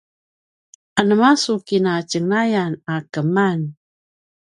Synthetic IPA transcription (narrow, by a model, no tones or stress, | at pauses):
anəmasukinat͡ʃəŋajanakəman